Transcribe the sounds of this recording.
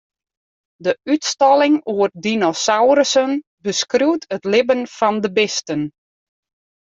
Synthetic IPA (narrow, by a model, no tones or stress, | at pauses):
dəytstɑlɪŋuərdinosawɾəsən | bəskruwtʰətlɪbənfɔndəbɪstən